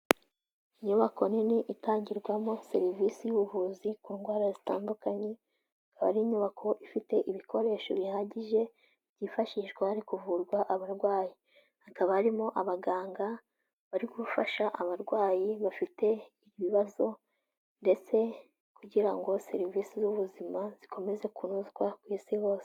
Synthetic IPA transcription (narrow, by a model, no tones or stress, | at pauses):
iɲuβako̞niniʔitaːɲɟiɾɡwamose̞ɾivisijuβuβuzikuːŋɡwaːɾazitaːndukaɲe̞ | akaβa̰ɾiɲuβakʰo̞ʔifite̞ʔiβikʰo̞ɾe̞ːʃoβihaɟiʒe̞ | β̥ɟiːfaʃiʃɡwahaɾikuvuɾɡwaʔaβaɾɡwaːji | hakaβahaɾimo̞ʔaβaɡaːŋɡa | βaɾiɡufaʃaʔaβaɾɡwaːjiβafite̞iβiβiβazo̞ | nde̞t͡se̞ | kuɟiɾaŋɡo̞se̞ɾiviːsizuβuzimaz̥ikʰo̞me̞ze̞kunuzkwakwiːsiho̞ːse̥